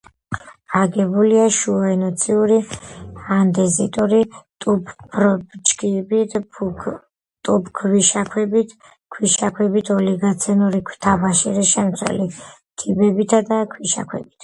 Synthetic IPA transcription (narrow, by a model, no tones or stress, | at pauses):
aɡɛbuliaʃuɔɛnɔt̪sʰiuɾi | and̪ɛzit̪ʼuɾit̪ʼupɾbt͡ʃkʼibi | t̪ʼupʰkʰviʃakʰwɛbit̪ʰ | kʰwiʃakʰwɛbit̪ʰɔliɡat̪sʰɛnuɾikʰw̥t̪ʰabaʃiɾiʃɛmt̪sʰwɛ̰li | t̪ʰibɛbit̪ʰad̪akʰwiʃa̰kʰwɛ̰bit̪ʰ